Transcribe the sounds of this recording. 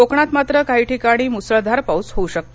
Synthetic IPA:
okɳat̪mat̪ɾəkaɦiːʈʰikaɽ̃iːmusɭəd̪ʱaɾpaut͡sɦouɕək̚t̪o

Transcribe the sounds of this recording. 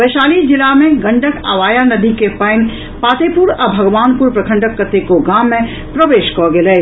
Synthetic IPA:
ʋɛːʃaːlid͡ʒɪlamẽɡɐ̃ɳɖʱəkʰa̰ʋaːjanɐd̪ʱikepɐɪn | paːt̪eːpʊɾɐbʱɐɡʋaːnpʊɾpɾɐkʰə̃ɳɖəkːət̪ːekoɡaːmːẽ | pɾɐʋeːʃkɔɡɪleː

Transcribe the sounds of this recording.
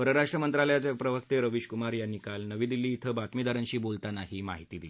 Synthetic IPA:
pəɾəɾaʂʈɾəmənt̪ɾaləjat͡sepɾəʋəkt̪eɾəʋiɕkumaɾjanːikalnəʋiːd̪ilːiːt̪ʰəbat̪miːd̪aɾənɕiːbolt̪anaɦimaɦit̪iːd̪ili

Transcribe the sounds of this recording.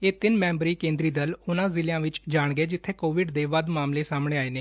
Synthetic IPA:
eːt̪ɪnmɛ̃ːmbɾiːkẽːnd̪ɾiːd̪əlʊnãːzɪljãːʋɪt͡ʃd͡ʒaːɳɡeːd͡ʒɪt̪ʰːeːkoːʋɪɖd̪eːʋəd̪maːmleːsaːmɽeːaːeːneː

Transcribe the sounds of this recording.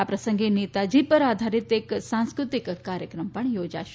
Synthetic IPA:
apɾɐsəŋɡenit̪ad͡ʑipəɾad̪ʱaɾit̪eksãñskɾut̪ikːaɾjəkɾəmpəɳjod͡ʒa̰ʃ

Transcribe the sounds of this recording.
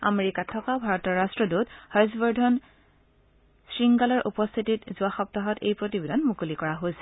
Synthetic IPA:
a̰meɹikatʰːɔkabʱaɹɔtɔɹastɹɔduthajzbɔɹdʱɔn | sɹiŋɡalɔɹʔupɔst̪ʰititzʊaxɔp̚taɦɔtḛjpɹotibedanmukulikɔɹaɦojsɛ̥

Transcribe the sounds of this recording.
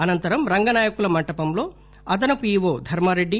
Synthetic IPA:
ɐnɐnt̪ɐɾɐmɾɐŋɡɐnaːjɐkulɐmɐɳʈɐpɐmlo̞ː | ɐd̪ɐnɐpuiːʋoːd̪ʱɐɾmɐɾeɖːi

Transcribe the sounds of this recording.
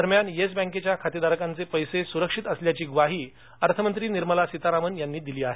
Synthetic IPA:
əɾmjanjes̬bɛ̃ŋket͡ɕjakʰat̪id̪aɾəkãnt͡sepəjsesuɾəkʂit̪əsljat͡ɕiːɡʋaɦiː | əɾt̪ʰəmənt̪ɾiːniɾməlasit̪aɾamənjanːiːd̪iliːaɦe

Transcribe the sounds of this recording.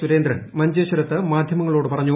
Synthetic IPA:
uɾe̞ːnd̪ɾɐnmɐɲd͡ʑeːɕɐɾɐt̪ːɨmaːd̪ʱjɐmɐŋːɐɭo̞ːɽɨpɐrɐɲːu

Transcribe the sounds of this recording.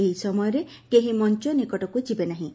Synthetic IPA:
eɦisɔmɔjɔɾe | keɦĩmɔnt͡ʃɔnikɔʈɔkud͡ʒibenaɦĩ

